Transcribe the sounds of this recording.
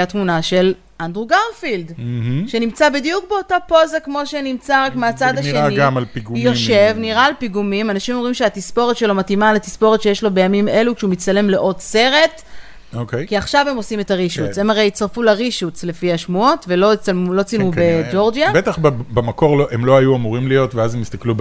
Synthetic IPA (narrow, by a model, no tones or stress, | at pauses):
atmunaʃe̞l | ʔandʁuɡaʁfild̩ɦ̩ʃe̞nimt͡sabidijukbeotapo̞zakmo̞ʃe̞nimt͡saʁakmeat͡sadaʃeaniɡmalpiɡujoʃe̞vniʁaːlpiɡumimanaʃimo̞mʁimʃeatispo̞ʁetʃe̞lo̞matimalatispo̞ʁetʃe̞jeʃlo̞be̞jamime̞lukʃeumitt͡sale̞mle̞ʔo̞dse̞ʁe̞t | okejkiaχʃave̞mo̞simetaʁiʃut͡se̞maʁejit͡saʁfulaʁiʃut͡sle̞fihaʃmuotvelo̞it͡salmulo̞t͡silubed͡ʒo̞ʁd͡ʒabet̪aχbbemako̞ʁloʔemlo̞ajuamuʁimlijo̞tveazemist̪aklu